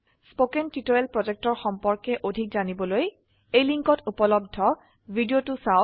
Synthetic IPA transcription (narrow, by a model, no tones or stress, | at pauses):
spokɛntitoelpɹɔzɛk̚tɔɹxɔmpɔɹkɛʔodʱikzanibɔloj | ejliŋkɔtupɔlɔb̚dʱɔ | bʱidijotʊsa